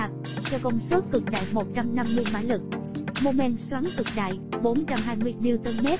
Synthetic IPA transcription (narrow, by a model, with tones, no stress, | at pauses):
a˨˩t̚ | t͡ɕɛ˧wkɔ˧wŋ͡msu˦˥t̚kɨ˨˩k̚ɗa̰ː˧˨jmo˨˩t̚t͡ɕa˧mna˧mːɨ˧əjma̰ː˧˥lɨ˨˩k̚ | mo˨˧˩mɛ˧˨nswaː˨˦ŋk̪ɨ˨˩k̚ɗa̰ː˧˨jɓo˨˦nt͡ɕa˧mɦaː˧jmɨ˧əjmi˧wt̪əː˧mɛ˦˥t̚